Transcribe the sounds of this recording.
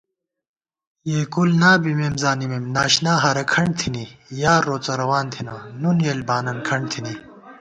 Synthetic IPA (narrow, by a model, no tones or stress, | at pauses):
jeːkulnaːbimemzaːnimemnaːɕnaːɦɐɾɐkʰɐɳ̚t̪ʰinijaːɾːoːt͡sɐɾɐwaːnt̪ʰinaːnunjelbaːnɐnkʰɐɳ̚t̪ʰini